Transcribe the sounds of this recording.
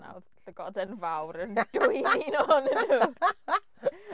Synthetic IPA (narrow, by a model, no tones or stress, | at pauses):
na̰wɬəɡɔdənvawɾənd̥ʊjninɔnənu